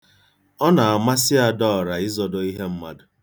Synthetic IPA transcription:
ɔ˦na˨a˨ma˦sɪ˦a˨dɔ˦ɔ˨ɾa˨ɪ˦zɔ˨do˨i˦ɦe˦m̩˦ma˦dʊ˨

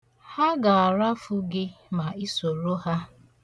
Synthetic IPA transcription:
ha˦ɡa˨a˨ɾa˦fʊ˦ɡɪ˦ma˨i˦so˨ɾo˦ha˦

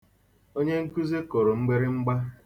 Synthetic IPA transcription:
o˦ɲe˦ŋ̩˦ku˦ze˦kɔ˨ɾo˨m̩˦ɡ͡be˦ɾɪ˦ŋ͡m̩˦ɡ͡ba˦

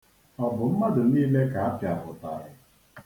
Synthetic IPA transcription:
ɔ˨bʊ˨m̩˦ma˦dʊ˨niː˦le˦ka˨a˦pja˨ɦʊ˨ta̰˦˨˦ɦɪ˦

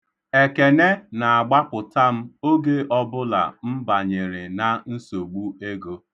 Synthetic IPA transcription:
e˨ke˨ne˦na˨a˨ɡ͡ba˦pʊ˨ta˦m̩˦o˦ɡe˦ʔɔ˦bʊ˦la̰˨m̩˦ba˨ɲe˨ɾɪ˨na˦n̩˦so˨ɡ͡bu˦e˦ɡo˦

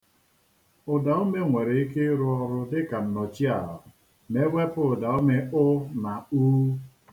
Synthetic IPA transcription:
ʊ˨da˨o˦me˦ŋʷe˨ɾe˨i˦ke˦ɾu˦ɔ˦ɾʊ˦dɪ˦ka˨n̩˨nɔ˨t͡ʃi˦a˦˨ɦɔ˨ | me˦ɡʷe˦pʊ˦˨da˨o˦me˦ʊ˦na˨u˦

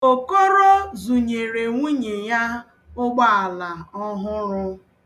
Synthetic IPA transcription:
o˨ko˦ɾo˦zu˨ɲe˨ɾe˨ŋʷu˦ɲe˨ja˦ | ʊ˦ɡ͡ba˦a˨la˨ɔ˦ɦʊ˦ɾʊ˦

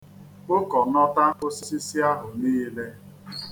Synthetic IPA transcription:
ʊ˦kɔ˨nɔ˦ta˦o˦si˦si˦si˦a˦ɦʊ˨niː˦le˦

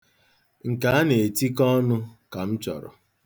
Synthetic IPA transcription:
ŋ̩˨ka˨˦a˦ne˨ti˦kɔ˦nʊ˦ka˨m̩˦t͡ʃɔ̰˨ɾʊ̰˨

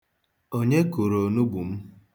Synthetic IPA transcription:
o˦ɲe˦ku˨ɾo˨nu˦ɡ͡bu˨m̩˦

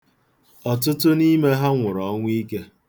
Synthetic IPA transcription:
ɔ˨t̬ʊ˦tʊ˦ni˦me˦ɦa˦ŋʷʊ˨ɾɔ˨˦ŋʷ˦i˦ke˦

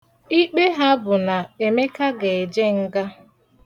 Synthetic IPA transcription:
i˦k͡pe˦ɦa˦bʊ˨na˨e˨me˦ka˦ɡe˨e˨d͡ʒe˦ŋ̩˦ɡa˦

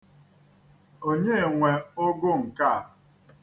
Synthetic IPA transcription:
o˦ɲe˦e˨ŋʷe˨ʊ˦ɡʊ˦ŋ̩˨ka˦˨

